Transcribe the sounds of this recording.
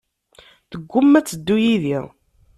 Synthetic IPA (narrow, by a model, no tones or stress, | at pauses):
θəɡʷːʊmːæt͡sːəd̪ːujiðiʁ